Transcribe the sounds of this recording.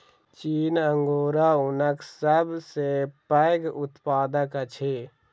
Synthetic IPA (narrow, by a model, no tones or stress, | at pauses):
t͡ʃiːnəŋɡoːɾaʊnəksəbʱsepəɪɡʊt̪paːd̪əkət͡ʃʰe